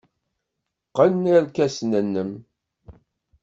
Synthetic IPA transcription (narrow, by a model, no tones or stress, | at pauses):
qːənnəɾkæsnənːəm